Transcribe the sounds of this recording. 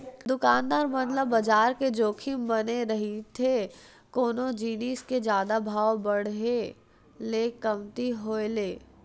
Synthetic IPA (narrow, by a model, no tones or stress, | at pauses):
d̪ʊkaːnd̪aːɾmənləbɐd͡ʒaːɾked͡ʒoːkʰimbɐneɾɐɦit̪ʰe | koːnod͡ʒiːniːsked͡ʒjaːd̪abʱaːwbɐɽ̤ɦe | leːkɐmt̪iɦoːeleː